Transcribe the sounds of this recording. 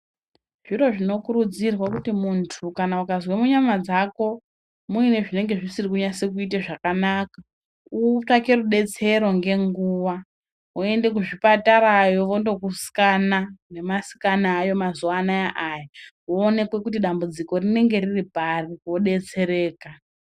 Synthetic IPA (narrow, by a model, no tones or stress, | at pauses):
ʐ̥iro̞ʐino̞kuɾud͡zirwakutimuntʰukanaukazwemuɲamad͡zako̞ | muine̞ʐine̞ŋɡe̞ʐisirikuɲasek̬uit̬eʐakanaka | utake̞ruɗe̞t͡se̞ɾo̞ŋɡe̞ŋɡuwa | ue̞nde̞k̬uʐipataɾajo̞ʋo̞ndo̞kusi̥kanane̞masi̥kanaːjo̞mazuanajaʔajaʋoːne̞kwe̞kutiɗambud͡ziko̞rine̞ŋɡe̞ririparioɗe̞t͡se̞ɾe̞ːka